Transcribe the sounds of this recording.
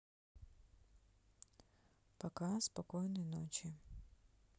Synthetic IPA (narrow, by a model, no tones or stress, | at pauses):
pɐkaspɐkɔjnɨjno̰t͡ɕɪ